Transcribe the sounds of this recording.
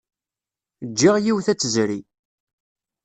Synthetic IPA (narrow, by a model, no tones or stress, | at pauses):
d͡ʒːiʁjiwθæt͡sːəzɾi